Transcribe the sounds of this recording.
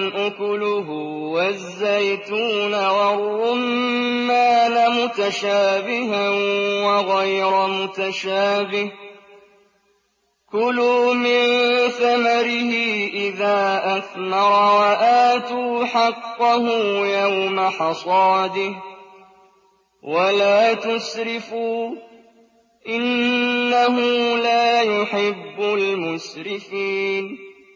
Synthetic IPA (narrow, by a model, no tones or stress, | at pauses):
ʔʊkʊlʊɦʊwazːajt̪uːnawɑrˤːʊmːaːnamʊt̪aʃaːbɪhanwaɣajɾamʊt̪aʃaːbɪh | kʊlʊmɪnθamaɾɪhɪʔɪðaːʔaθmɑɾˤwaʔaːt̪uːħɑqːʊhʊːjawmaħɑsˤɑːd̪ɪh | walaːt̪ʊsɾɪfuː | ʔɪnːaɦʊlaːjʊħɪbːʊlmʊsɾɪfiːn